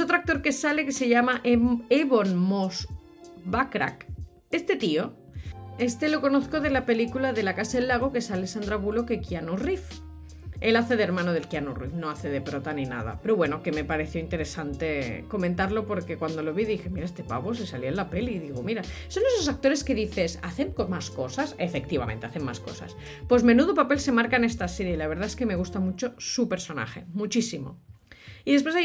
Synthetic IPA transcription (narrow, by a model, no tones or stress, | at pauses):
eso̞t̪ɾoak̚t̪o̞ɾke̞sale̞ke̞se̞ʝamaʔeβonmos | βakɾa̰k | e̞st̪e̞t̪io̞ | e̞st̪e̞lo̞ko̞noθko̞ð̞e̞lape̞likulaðe̞lakasaelːaɣ̞o̞ke̞salesand̪ɾaβ̞ulo̞ke̞kjanurif | e̞laθe̞ðeɾmãnoð̞elkjanurḭfno̞aθe̞ðepɾot̪anina̰ð̞a̰peɾo̞βwe̞no̞ke̞me̞paɾe̞θjoint̪e̞ɾe̞sant̪e̞ko̞mẽnt̪aɾlo̞po̞ɾke̞kwand̪o̞lo̞βiðixe̞miɾaest̪e̞pa̰βo̞sesaljoelape̞liːðiɣomiɾaso̞nesosak̚t̪o̞ɾe̞ske̞ðiθe̞saθeŋkomasko̞sasefe̞k̚t̪iβa̰mẽnt̪e̞aθenma̰sko̞̰sa̰s | po̞zmẽ̞nuðopape̞lse̞maɾkaene̞st̪aseɾjeilaβeɾð̞aeske̞me̞ɣust̪amut͡ʃo̞supe̞ɾso̞na̰xe̞̰mut͡ʃisimo̞̰ | iðespwes̬a